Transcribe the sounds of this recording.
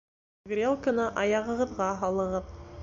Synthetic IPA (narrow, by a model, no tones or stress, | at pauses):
ɡrʲelˠkə̆nɑʔɑjɑʁɤ̆ʁɤ̆ðʁɑɦɑlˠɤ̆ʁɤð